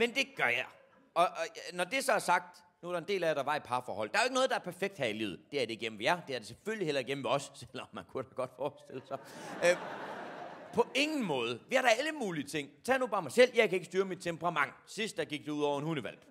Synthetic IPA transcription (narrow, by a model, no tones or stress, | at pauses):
mend̥e̝ɡ̥ɶɐjɑɪ | ɒ̽nɒd̥e̝sɒæɐsɑ̈ɡ̥̚d̥ | nuæɐɾ̥ɑ̈e̝nd̥e̝̰ːlæɾ̥ɑ̈ʋɑ̈ipʰɑ̈fɒ̰ːhɒ̽l̰d̥ɑ̈ɐjoe̝ɡənɔ̽ð̞ˠd̥ɑæɐpʰæɐfeɡ̥̚d̥hæilḭːð̩ˠd̥e̝æɐd̥e̝ɡ̥em̰n̩ʋejæd̥e̝æɐd̥e̝seføllihelɐiɡ̥em̩ʋeɒ̽sːel̰ɒ̽mːænkʰuɾ̥æɡ̥ɒ̽d̥fɒːsd̥e̝l̰əsɑ | pʰɒ̽e̝ŋn̩mɔ̽ːð̞ˠəʋeæɐɾ̥ɑ̈æləmuːliət͡sʰe̝ŋ̰t͡sʰɛ̰ːnub̥ɑ̈ːmɑ̈ɪsel̰jɑ̈ɪkʰæe̝ɡ̥əsd̥yːɐmid̥̚t͡sʰemb̥əʁɑ̈mɑ̈ŋ̰sisd̥ɑɡ̥iɡ̥̚d̥euð̰ˠɒʊ̰ɐenhunəʋæl̰b̥